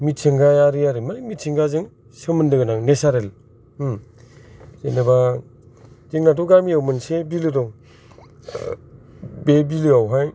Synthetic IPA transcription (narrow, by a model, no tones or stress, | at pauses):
mitʰiŋɡajaɾɯjaɾɯmaɾɯmitʰiŋɡazɯŋ | sɯmɯndɯɡɯnaŋnesaɾel | zenaba | d͡ʒeŋnatuɡamiawmɯnsebilɯdɔŋ | bebilɯawɦaj